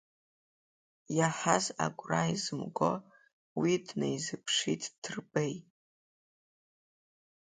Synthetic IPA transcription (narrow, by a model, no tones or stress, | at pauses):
jaħaza̰ɡʷʼraizɨmɡʷo | widnejzɨpʰʂitʰʼtʰɨrbej